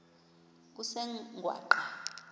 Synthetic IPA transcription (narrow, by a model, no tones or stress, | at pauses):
k̬ʼusɛŋɡʱwa̰ːǃa